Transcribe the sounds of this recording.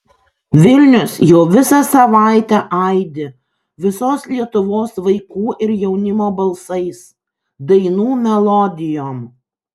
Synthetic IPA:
ʋʲɪlʲnʲʊsjoːʋʲɪsɑsɐʋɑˑɪt̪ʲæʔɐɪd̪ʲɪ | ʋʲɪsoːslʲiɛt̪ʊʋoːsʋɐɪkuːʔɪɾjɛʊnʲɪmoːbɐlˠsɐɪs | d̪ɐɪnuːmʲɛlˠɔd̪ʲɪjoːm

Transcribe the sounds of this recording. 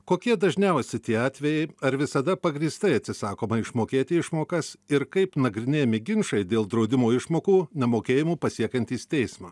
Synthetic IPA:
koːkʲiɛd̪ɐʒʲnʲɛʊsʲɪt̪ʲiɛɑːt̪ʲʋʲɛjɛɪɐɾʋʲɪsɐd̪ɐpɐɡɾʲiːst̪ɐɪɐt̪ʲsʲɪsɑːkoːmɐɪʃmoːkʲeːt̪ʲɪɪʃmoːkɐsɪɾkɐɪpnɐɡɾʲɪnʲeːjmʲɪɡʲɪnʃɐɪd̪ʲeːlˠd̪ɾɒʊd̪ʲɪmoːɪʃmoːkuːnʲɛmoːkʲeːjɪmuːpɐsʲiɛkɐnʲt̪ʲiːst̪ʲɛɪsmɑː

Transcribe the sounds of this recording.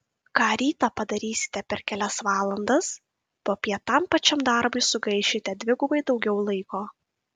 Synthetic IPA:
kɑːɾʲiːt̪ɑːpɐd̪ɐɾʲiːsʲɪ̥t̪ʲɛpʲɛɾkʲɛlʲɛsʋɑːlˠɐnd̪ɐs | poːpʲiɛt̪ɐmpɐt͡ʃʲɛmd̪ɐˑɾbʊɪsʊɡɐɪʃʲɪt̪ʲɛd̪ʲʋʲɪɡʊbɐɪd̪ɒʊɡʲɛʊlˠɐɪkoː

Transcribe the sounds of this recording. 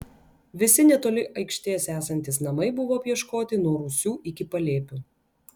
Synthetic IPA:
ʋʲɪsʲɪnʲɛt̪oːlʲɪʔɐɪkʃʲt̪ʲeːsæːsɐnʲt̪ʲɪsnɐmɐɪbʊʋoːɐpʲjiɛʃkoːt̪ʲɪnuɔɾʊsʲuːʔɪkʲɪpɐlʲeːpʲuː

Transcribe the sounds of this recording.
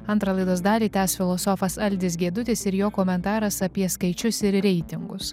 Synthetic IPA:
ɐnt̪ɾɐlˠɐɪd̪oːsd̪ɑːlʲiːt̪ʲæːsfʲɪlˠɔsɔfɐsɐlʲd̪ʲɪs̬ɡʲiɛd̪ʊt̪ʲɪsɪɾjoːkoːmʲɛnt̪ɑːɾɐsɐpʲiɛskɐɪt͡ʃʲʊsɪɾɾʲɛɪt̪ʲɪŋɡʊs

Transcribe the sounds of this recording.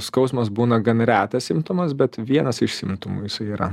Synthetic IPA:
skɒʊsmɐsbuːnɐɡɐnɾʲæːt̪ɐsʲɪmt̪ʊmɐsbʲɛt̪ʋʲiɛnɐsɪʃʲsʲɪmt̪ʊmuːjɪsɐɪiːɾɐ̰

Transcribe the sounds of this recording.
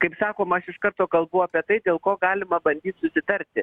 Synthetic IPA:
kɐɪpsɑːkoːmɐʃɪʃkɐɾt̪oːkɐlˠbʊɐːpʲiɛt̪ɐɪd̪ʲeːlˠkoːɡɑːlʲɪmɐbɐnʲd̪ʲiːt̪sʊsʲɪt̪ɐɾʲt̪ʲɪ

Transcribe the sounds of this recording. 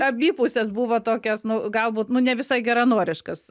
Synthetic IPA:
ɐmʲiːpʊsʲɛsbuʋoːt̪oːkʲɛsnʊɡɐlˠbuːt̪nʊnʲɛʋʲɪsɐɪɡʲɛɾɐnuɔɾʲɪʃkɐs

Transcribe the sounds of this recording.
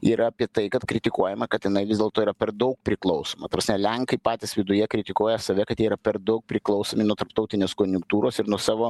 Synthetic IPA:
iɾɐɐpʲiɛt̪ɐɪkɐt̪kɾʲɪt̪ʲɪkuɔjɛmɐkɐt̪jɪnɐɪʋʲɪzdʲeːlˠt̪oːiɾɐpʲɛɾd̪ɐʊk̚pʲɾʲɪklˠɐʊsoːmɐt̪ɐpɐsnʲɛlʲɛŋkɐɪpɑːt̪ʲɪsʋʲɪd̪ʊjɛkɾʲɪt̪ʲɪkuɔjɛsɐʋʲɛkɐt̪jɛːiɾɐpʲɛɾd̪ɐʊk̚pʲɾʲɪklˠɒʊsoːmʲɪnuɔt̪ɐɾpt̪ɐʊt̪ʲɪnʲeːskoːnʲʊŋk̚t̪uːɾoːsɪɾnuɔsɑːʋoː

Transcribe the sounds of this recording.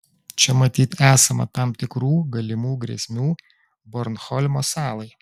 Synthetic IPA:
t͡ʃʲɛmɐt̪ʲiːt̪æːsɐmɐ̰t̪ɑmt̪ʲɪkɾuːɡɐlʲɪmuːɡɾʲɛ̰sʲmʲuː | bɔɾnxɔlʲmoːsɑːlˠɐɪ

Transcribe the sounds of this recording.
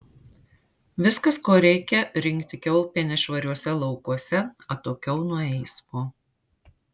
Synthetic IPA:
ʋʲɪskɐskoːɾʲɛɪkʲɛɾʲɪŋʲkt̪ʲɪkʲɛʊlˠpʲiːnʲɛʃʋɐɾʲuɔsʲɛlˠɒʊkuɔsʲɛɐt̪oːkʲɛʊnʊɔɛɪsmoː

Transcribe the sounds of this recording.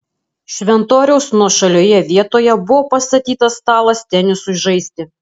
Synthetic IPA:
ʃʲʋʲɛnt̪oːɾʲɛʊsnuɔʃɐlʲoːjɛʋʲiɛt̪oːjɛbʊʋoːpɐst̪ɐt̪ʲiːt̪ɐst̪ɑːlˠɐst̪ʲɛnʲɪsʊɪʒɐɪsʲt̪ʲɪ

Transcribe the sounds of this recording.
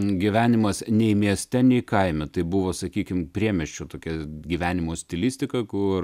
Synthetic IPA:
ɡʲiʋʲæːnʲɪmɐsnʲɛɪmʲiɛsʲt̪ʲɛnʲɛɪkɐɪmʲɛt̪ɐɪbʊʋoːsɐkʲiːkʲɪmpʲɾʲiɛmʲɛʃʲt͡ʃʲot̪oːkʲɛɡʲiʋʲæːnʲɪmoːsʲt̪ʲɪlʲisʲt̪ʲɪkɐkʊr

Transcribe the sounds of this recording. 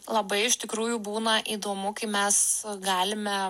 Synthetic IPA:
lˠɐbɐɪɪʃt̪ʲɪkɾuːjuːbuːnɐʔiːd̪oːmʊkɐɪmʲɛsɡɑːlʲɪmʲɛ

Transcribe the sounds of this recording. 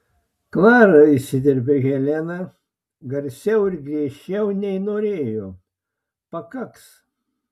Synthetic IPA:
kʋɑːɾɐɪsʲɪd̪ʲɪɾʲbʲeɣʲɛlʲɛnɐ | ɡɐɾʲsʲɛʊɪɾɡɾʲiɛʃʲt͡ʃʲɛʊnʲɛɪnoːɾʲeːjoː | pɐkɐks

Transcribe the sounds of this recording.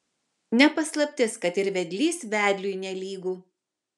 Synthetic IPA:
nʲɛpɐslˠɐpʲt̪ʲɪskɐt̪ɪɾʋʲɛd̪ʲlʲiːsʋʲæːd̪ʲlʲuːnʲɛlʲiːɡuː

